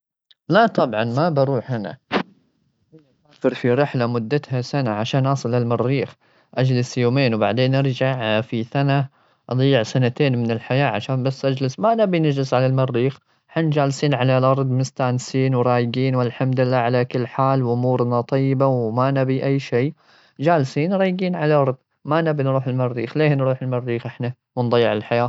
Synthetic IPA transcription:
lat̪ˤɑbʕɑnmabɑɾuːħhana̰ | aaːfɪɾfiɾɪħlamʊd̪ːat̪hasanaʕaʃaːnʔɑsˤɨlːɪlmɑɾːiːx | ʔad͡ʒlɪsjoːmeːnwbaʕd̪eːnʔɑɾˤd͡ʒaʕfisana | ʔɑd̪ˤijːɪʕsanat̪eːnmɪnɪlħajaːʕaʃaːnbasːʔad͡ʒlɪsmanabinad͡ʒlɪsʕalalmɑrːiːx | ħand͡ʒaːlsiːnʕalalʔɑɾˤd̪ˤmɪst̪aːnsiːnwɾˤɑːjɪɡiːnwɪlħamd̪ɪlːaːʕalakɪlːħaːlwʔʊmuːɾnat̪ˤɑjːɪbawmanabiʔajːʃeː | d͡ʒaːlsiːnɾˤɑːjɡiːnʕalaʔɑɾˤd̪ˤ | manabinɾuːħɪlmɪrːiːxleːhnɾuːħɪlmɑrːiːxʔɪħna | wɪnd̪ˤɑjːɪʕɪlħajaː

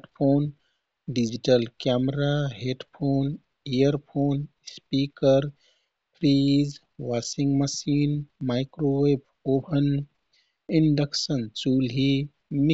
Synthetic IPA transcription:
ʈpʰoːn | ɖid͡ʒiʈəlkamɾaɦeɖpʰoːn | ejəɾpʰoːn | spikəɾ | pʰɾid͡ʒ | ʋasiŋɡməsiːnmaɪkɾowepʰ | oːpʰən | inɖəksənt͡ʃuːlɦi | mi

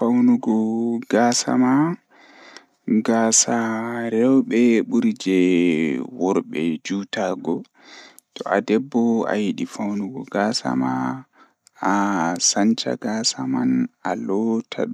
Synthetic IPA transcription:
fawnuɡɔɡ̥aːsa̰ma | ɡaːsaɾɛwɓɛɓuɾid͡ʒɛ | wɔɾɓɛd͡ʒutaɡɔ | tɔʔadɛbːɔa̰jiɗifawnuɡɔɡaːsa̰ma | asant͡ʃa̰ɡaːsamanalɔtʰa̰ɗ

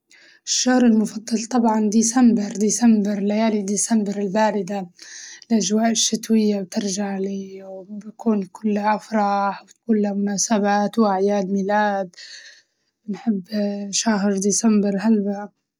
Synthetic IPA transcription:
ʔɪʃːahɾɪlmʊfɑd̪ˤːɑlt̪ˤɑbʕɑnd̪iːsambɪɾd̪isambɪɾlajaːlid̪iːsambɪɾɪlbaːɾɪd̪alʔad͡ʒwaːʔɪʃːɪt̪wɪjːab̚t̪ɪɾʒaʕliːwbakʰuːnkʰʊlːaʔafɾˤɑːħwt̪kʊːlamʊnaːsabaːt̪wʔaʕjaːd̪mɪlaːd̪ | nħɪbːʃaɦɾd̪isambɪɾɦalba

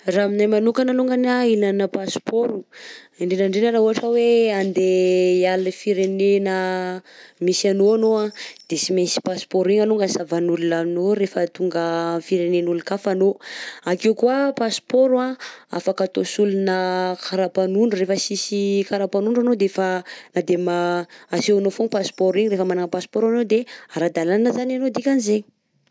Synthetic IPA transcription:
raminajmanukanaluŋɡanailanəpaspoɾu | iɳɖ͡ʐenaɳɖ͡ʐenəɾauɦaʈ͡ʂaweand̪ealifiɾenenə | misanoanoad̪̥esimesi̥paspoɾiɲanuŋɡansavanulunaminoɾefət̪uŋɡəfiɾenenulukafanoakewkuapaspoɾwaa̰fakat̪osulunəkʰaɾapanuɳɖ͡ʐurefəsisikaɾapanuɳɖ͡ʐanod̪efanad̪emaasewanofoŋpaspoɾiɲiɾefəmanaŋəpaspɔɾanod̪eaɾad̪alananəzananod̪ikʲanizeɲi̥

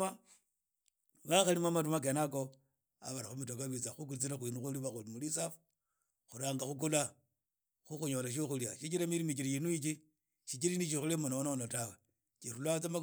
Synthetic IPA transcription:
a | βaxalimwamatumak̬enako | a̰βaɾaxumitokaβit͡saxuk̬ulit͡siɾaxwinuxuliβaxulimulisafu̥ | xuɾaːŋɡaxuk̬ula | xuxuɲolaʃ̬oxuljaʃit͡ʃiɾamiɾimit͡ʃiɾijinuit͡ʃi | ʃit͡ʃiɾiniʃixulemonoononotawe | t͡ʃiɾulwat͡sama

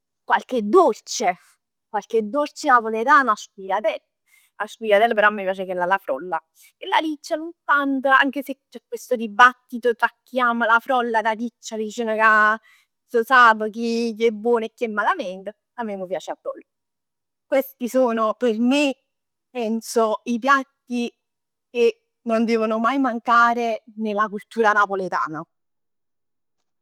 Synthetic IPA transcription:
kwalked̪ːolt͡ʃe | kwalked̪ːolt͡ʃenasolet̪anaspijat̪ɛ | aspijad̪ɛlːpeɾɔamːipjaːt͡ʃekelːalafɾɔ̰lːa | kelːalit͡ʃːalunt̪ant̪əa̰ŋkeset͡ʃɛkːwest̪od̪ibat̪ːit̪ot̪ɾakːiaːmalafɾɔlːad̪alit͡ʃːadit͡ʃɛnaka | sosaːpəkiʎːɛbːwɔːnoekːiɛmːalamɛnt̪ə | amːemːəpjaːt͡ʃeabːɔlː | kwest̪isoːnoperme | pɛnsoipjat̪ːi | ke | nːond̪ɛːvonomajmaŋkaːɾenelːakult̪uːɾanapolet̪a̰ːna

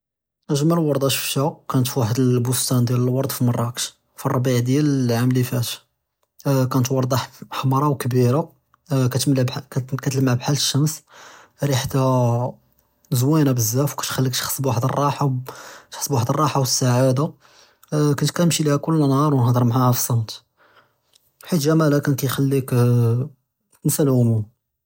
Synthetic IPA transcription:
ʔəʒmællwɑɾˤd̪ˤɑʃə̥fʃækænət̪fiwaħəd̪əlbust̪ænd̪jæləlwɑɾˤd̪ˤfimɑrˤːɑkʃ | firˤɑbiʕd̪jæləʕamlifæʃ | kænət̪wɑɾˤd̪ˤɑħħɑmɾˤɑwkbiɾa | kæt̪mlbkæt̪ləməʕbħaləʃːæmsɾiħat̪ːæ | zwænabəzːæfwkæt̪xælːikt̪xə̥sˤːbwaħd̪ərˤːɑħat̪ħəsˤːbwaħd̪ərˤːɑħawəsːaʕad̪a | kʊnt̪kænəmʃilihækʊlːənhɑɾˤwnhd̪ˤəɾˤmʕahæfə̥sˤːɑnt̪ | ħit̪ʒæmælækænkæjxælːik | nsəlʕʊmum

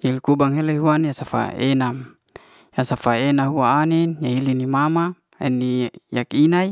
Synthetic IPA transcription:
jailkubaŋɦeleɦuanjasafa̰ḛnam | jasafaenaɦuaːninjaɦilinimama | ɛ̰nijakinaj

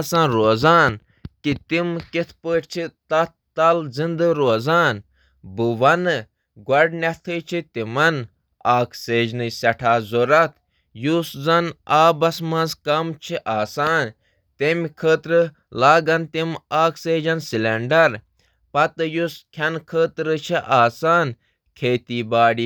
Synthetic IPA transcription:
sãːnɾoːzaːn | kit̪imkit̪ʰpəːʈʲt͡ʃʰit̪ɐt̪̚ | t̪ɐlzind̪ɨɾoːzaːn | bɨʋɐnɨ | ɡwɐɖnɛt̪ʰɨːt͡ʃʰit̪imɐn | aːkʰseːd͡ʒnɨsɐʈʰaːzoɾɐt̪ʰ | juszɐnaːbɐsmɐ̃nzkɐmt͡ʃʰiʔaːsaːn | t̪emʲkʰəːt̪ɾɨ | laːɡɐnt̪imaːkseːd͡ʒɐnsileɳɖɐɾ | pɐt̪ɨjuskʲʰɐnkʰəːt̪ɾɨt͡ʃʰiʔaːsaːn | kʰeːt̪iːbaːɖiː

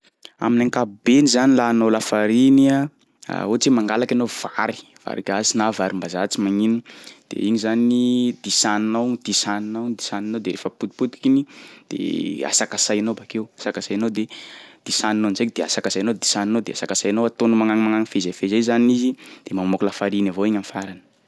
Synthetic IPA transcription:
a̰minaŋkabenizanilanowlafaɾinia | a̰ot͡simaŋɡalakanov̥aɾi̥ | v̥a̰ɾikazinavaɾimbazat͡simaŋinud̪̥ḛiɲizanid̪̥isaninawd̪̥isaninawd̪isaninowd̪eɾefəput̪u̥put̪ui̥kinid̪̥ḛa̰sakasajanobakewasakasajanowd̪ed̪̥isaninonzejkd̪̥ea̰sakasajanod̪i̥saninowd̪easakasajanowat̪onumaŋaŋimaŋaŋifezafezezanizid̪̥emammoklafaɾinavoiɲamfaɾanə̥

